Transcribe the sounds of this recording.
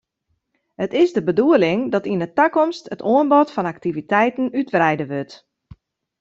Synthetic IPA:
hətɪsdəbəduəlɪŋdɔtinətakɔmstətʰoənbɔtfɔnaktivitɛjtən̩ytʋrɛjdəʋøt

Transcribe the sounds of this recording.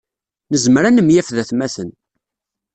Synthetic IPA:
nəzmɾænəmjæfðæθmæθən

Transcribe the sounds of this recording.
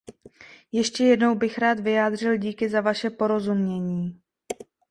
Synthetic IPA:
jɛʃcɛjɛdno̞wbɪxɾaːt̪vɪjaːd̪r̝ɪlɟiːkɪzavaʃɛpo̞ɾo̞zumɲɛɲiː

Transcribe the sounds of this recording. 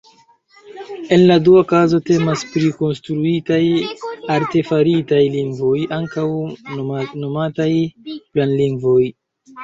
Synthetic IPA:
e̞nladuakazo̞te̞maspɾiko̞nstɾuitajaɾte̞faɾitajliŋɡvo̞jaŋkaw | no̞matajplanliŋɡvo̞j

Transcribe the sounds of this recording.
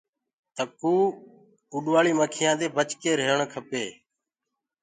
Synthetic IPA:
t̪əkuː | uːɗʋaːɭiːməkʰɪjãːd̪eːbʱət͡ʃkeːɾeːɳkʰəpeː

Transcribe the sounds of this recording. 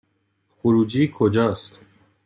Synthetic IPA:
χuɾud͡ʒikʰod͡ʒɔst̪

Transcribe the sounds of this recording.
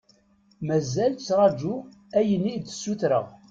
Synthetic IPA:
mæzælt͡sːɾˤɑd͡ʒu | æjənːid̪ə̥sːuθɾə̰ʁ

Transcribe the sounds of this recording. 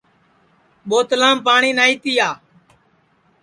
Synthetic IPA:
ɓoːt̪lãːmpaːɳiːnaːiːt̪iːaː

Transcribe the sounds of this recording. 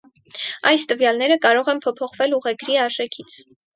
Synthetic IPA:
ɑjst̪əvjɑlnɛɾəkɑɾɔʁɛnpʰɔpʰɔχvɛluʁɛɡɾiɑɾʒɛkʰit͡sʰ

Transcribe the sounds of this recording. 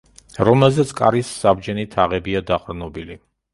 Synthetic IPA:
ɾɔmɛlˠzɛt̪sʰkʼa̰ɾisːabd͡ʒɛnit̪ʰaʁɛbiad̪aqʼɾnɔbili

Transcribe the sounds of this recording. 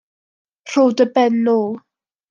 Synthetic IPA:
r̥owdəbɛnːuː

